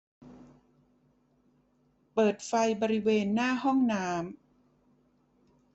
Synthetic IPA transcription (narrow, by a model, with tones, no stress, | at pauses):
pɤː˨˩t̪̚fa˧jbɔː˧ɾi˦˥weː˧nːaː˥˩hɔ˥˩ŋnaː˦˥m